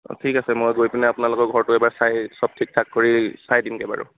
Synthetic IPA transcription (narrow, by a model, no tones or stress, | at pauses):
tʰikasɛmojɡojpinɛapʊnalʊkɔɹɡʱɔɹtʊɛbaɹsajsɔb̚tʰik̚tʰakːoɹisajdimkɛba̰ɹʊ̰